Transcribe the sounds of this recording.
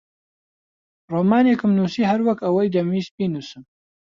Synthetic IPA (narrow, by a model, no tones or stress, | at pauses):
roːmaːnekɨmnuːsiːhɐɾwɐkɐwɐjd̪ɐmiːst̪̚biːnusɨm